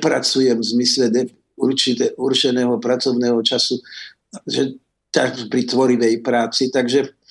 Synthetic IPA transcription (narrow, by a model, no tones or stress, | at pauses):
pɾa̰t͡sujɛmvzmislɛd̪ɛ | uɾt͡ʃit̪ɛʔuɾt͡ʃɛnɛːɦɔpɾat͡sɔʊnɛːɦɔt͡ʃasu | ʒɛ | t̪apɾit̪ʋɔɾiʋɛjpɾaːt͡sit̪aɡʒɛ